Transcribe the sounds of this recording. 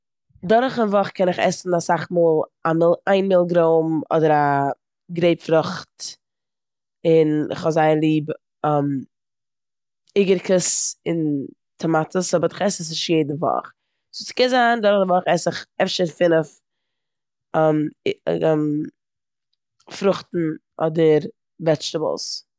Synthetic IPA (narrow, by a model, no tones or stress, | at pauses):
dɔɾχɪnvɔχkʰɛnɪχɛ̰sn̩asaχmuːlˠamɪlˠaɪnmɪlˠɡɾoʊmɔ̰dəɾa | ɡɾeɪpfɾʊχt | ɪnɪ̰χhɔzaɪəlˠiːb | ɔm | ɪɡəɾkʰəsɪn | tʰəmatəsɔbəɾɪχɛsəs̬ɪʃjeɪdn̩vɔ̰χ | sʊskɛnzaːndɔɾdəvɔχɛsɪχɛfʃəɾfɪnəf | ɛm | m | fɾʊχtn̩ʔɔdəɾ | vɛt͡ʃtəb̰l̩ˠs